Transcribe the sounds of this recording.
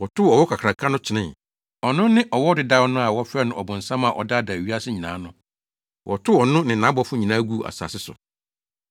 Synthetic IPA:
wɔ˨tʰʊ˦ɔ˨wɔ˦kʰa˨kʰɾa˨kʰa˦nʊ̃˦t͡ɕʰɪ˨˦nɪ̃˦˨ | ɔ˨nʊ̃˦nɪ̃˦ʔɔ˨wɔ˦dɪ˨da˦wnʊ̃˦a˨wɔ˦fɛ˦nʊ̃˦˨ʔɔ˨bʊ̃˨n̩˨sã˦mã˨ʔɔ̰˨da˦˨da˨ɥi˦a˦sɪ˦ɲĩ˨nã̰˨˦nʊ̃˦ | wʔɔ˨tʰʊ˦ɔ˨nʊ̃˦nɪ̃˨nã˨˦bɔ˦fʊ˦ɲĩ˨nã˦ɡu˦˨ʔa̰˨sa̰˨sɪ˦sʊ̰˨

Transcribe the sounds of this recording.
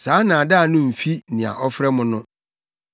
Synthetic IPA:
saː˨˦nã˨da˦˨nʊ̃˦m̩˨fi˦nɪ̃˨a̰˨ʔɔ˦fɾɛ˦mʊ̃˨nʊ̃˦

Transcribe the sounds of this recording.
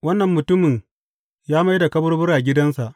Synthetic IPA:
wɐ˦nːɐ˨mːʊ˨tʊ˦mɪ˨ɲ | jaː˦ma˦jda˨kɐ˦bɐ˦rbʊ˦ɾaː˨ɡʲɪ˦dɐ˦nsa˨ʔ

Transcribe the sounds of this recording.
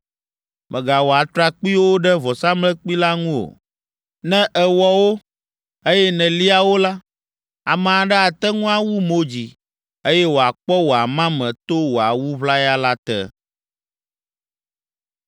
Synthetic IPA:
mʔɛ̃˨ɡa˨wo˨a˨t̪ɾa˨k͡pi˦wo˦ɖɛ˦vɔ˨sa˦mlɛ˦k͡pi˦la˦ŋũ˦o̰˨ | nɛ̃˦ʔɛ˨wɔ˦wo˦ | e˦jɛ˦nɛ̃˨li˦a˨wo˦la˦ | a̰˨mã˨a˨ɖɛ˦a˨t̪ɛ˦ŋũ˦a˨wu˦mo˦d͡ʑi˨ | e˦jɛ˦wo˨a˨k͡pɔ˦wo˨a˨mã˦mɛ̃˨t̪o˦wo˨a˨wu˦βla˦ja˦la˦t̪ɛ̰˦

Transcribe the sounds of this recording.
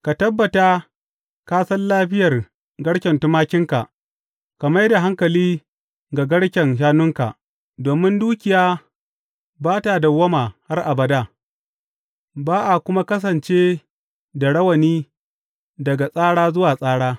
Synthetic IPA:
ka˨tɐ˦bːɐ˨ta˦ | kaː˦sɐ˦nlaː˦ɸɪ˦jɐ˨r | ɡɐ˦ɽkʲɛ˨ntʊ˦maː˦kʲɪ˦ŋka˨ʔ | ka˨mɐ˦jda˨ɦa˦ŋkɐ˨liː˦ | ɡa˨ɡɐ˦ɽkʲɛ˨nʃ̬aː˦nʊ˦ŋka̰˨ʔ | doː˨mɪ˦nduː˦kʲɪ˨jaː˦ | baː˦ta˨da˨wɐ˦ma˨ha˦rʔa˨bɐ˨da˦˨ | baː˦ʔa˨kʷʊ˦ma˦kɐ˦s̬ɐ˨nt͡ʃeː˦ | da˨ɽɐ˦wɐ˨niː˦ | dɐ˨ɡa˨sʼaː˦ɽaː˦zʊ˦waː˨sʼaː˦ɽaː˦

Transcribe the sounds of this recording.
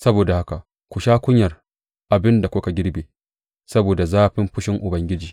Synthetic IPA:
sɐ˦boː˨da˨ha˦ka˨ | kʷʊ˨ʃaː˦kʷʊ˦ɲjɐ˨r | ʔa˨bɪ˦nda˨kʷʊ˦ka˨ɡʲɪ˦ɽbeː˨ | sɐ˦boː˨da˨zaː˦ɸɪ˦mɸʊ˦ʃɪ˦ŋʔʊ˨bɐ˦ŋɡʲɪ˦d͡ʒiː˨

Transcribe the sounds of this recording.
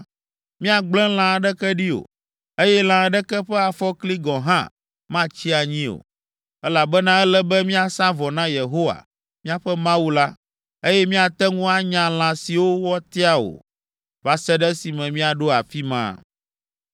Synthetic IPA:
mĩ˦a˨ɡ͡blɛ̃˦l̃ã˨ɖɛ˦kɛ˦ɖi˦o̰˨ | e˦jɛ˦l̃ã˨ɖɛ˦kɛ˦ɸɛ˦a˨fɔ˦kli˦ɡɔ̃˨ɦã̰˦ | mã˦t͡ɕi˦a˨ɲĩ˦o̰˨ | ɛ˦la˨bɛ˦nã˦ɛ˦lɛ˦bɛ˦mĩ˦a˨sã˦vɔ˨nã˦je˨ɦo˦wa̰˨ | mĩ˦a˦˨ɸɛ˦mã˦wu˦la˦ | e˦jɛ˦mĩ˦a˨t̪ɛ˦ŋũ˦a˦ɲã˨l̃ã˨si˨wo˦wɔ˦t̪ɛ˦a˦o̰˨ | va˨sɛ˦ɖɛ˦si˨mɛ̃˨mĩ˦a˨ɖo˦a˨fi˦mã̰˦˨

